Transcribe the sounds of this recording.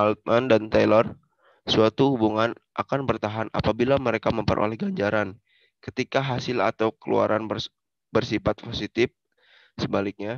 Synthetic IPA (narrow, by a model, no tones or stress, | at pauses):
alt̪̚mandant̪ajlɔr | suat̪uhubuŋanʔakanbərt̪aɦana̰pabilaməɾekaməmpəɾʔo̰lɛhɡaɲd͡ʒaɾan | kət̪ikaɦasɪla̰t̪awkəlṵa̰ɾanbə | bərsifat̪̚posit̪ɪf̚ | səbalik̚ɲa